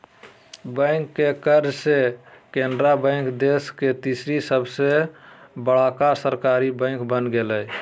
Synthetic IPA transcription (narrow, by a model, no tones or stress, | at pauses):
bə̃ɪ̃ŋkːekəɾd͡ʒsekend̪ɾabə̃ɪ̃ŋkd̪esket̪isɾisəbʱsebəɽakasəɾkaɾibə̃ɪ̃ŋkbənɡeləj